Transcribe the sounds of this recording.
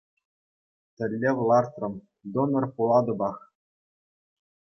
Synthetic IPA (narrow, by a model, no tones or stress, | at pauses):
t̪ʲɘ̆lʲːeʋlˠɑrt̪rɤ̆m | d̪onɤ̆rpulˠɑd̪ɤ̆bɑχ